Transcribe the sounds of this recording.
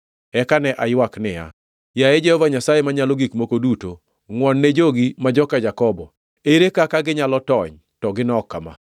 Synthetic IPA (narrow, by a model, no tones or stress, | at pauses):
ɛkanɛʔajwaknɪja̰ | jaed͡ʒɛhɔvaɲasajemaɲaloɡikmokoduto | ŋwɔnːed͡ʒoɡimad͡ʒɔkad͡ʒakɔbɔ | eɾekakaɡɪɲalɔtɔɲ | tɔɡɪnɔkːama̰